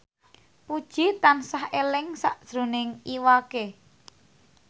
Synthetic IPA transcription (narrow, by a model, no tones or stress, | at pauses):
pud̥ʒ̥i̤t̪ansahelɪŋsaʔd̥ʒ̥ɾṳnɪŋiwake